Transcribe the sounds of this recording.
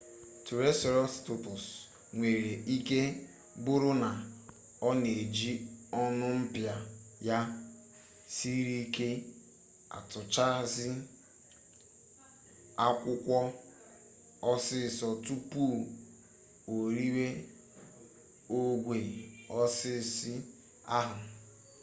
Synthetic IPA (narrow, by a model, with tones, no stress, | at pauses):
tu˨ɾe˦sɔ˨ɾɔ˦stʊ˦˨tʊ˨s | ŋʷe˨ɾe˨ʔi˦ke˦ | bʊ˦ɾʊ˦na˨ | ɔ˦ne˨d͡ʒi˦ɔ˦nʊ˦m̩˦pja˨ja˦ | si˦ɾi˦ke˦ | a̰˨tʊ˨t͡ʃa˦zɪ˦ | a˦kʷʊ˦kʷɔ˦ | ɔ˦sɪ˦˨sɔ˨tu˦pu˦ | o˨ɾi˦we˦ | o˦ɡʷe˨ɾɔ˦sɪ˦˨sɪ˦ | a˦ɦʊ˨